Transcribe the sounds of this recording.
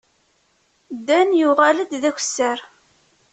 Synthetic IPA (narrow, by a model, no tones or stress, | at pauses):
d̪ːænjuʁæləd̪ðæç̥ʷsːəɾ